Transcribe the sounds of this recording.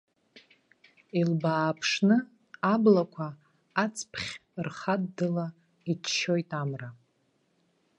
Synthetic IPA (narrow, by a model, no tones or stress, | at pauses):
ilbaːpʰʂnɨ | ablakʷʰaː | t͡sʰʼpʰχʲrχadːɨla | it͡ʃʰʃo̞jtʼamra